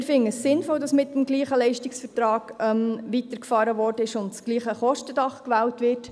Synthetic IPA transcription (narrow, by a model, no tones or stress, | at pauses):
ɾfɪŋəssɪnfɔldɑsmɪt̚dmɡliːχəlɛɪʃtɪksfəɾtɾɑːɡ̥œmʋitəɾkfɑːɾəʋɔːrdəɪʃʊntsɡ̥liːχəχɔʃtədɑχkʋæːwtʋɪɾt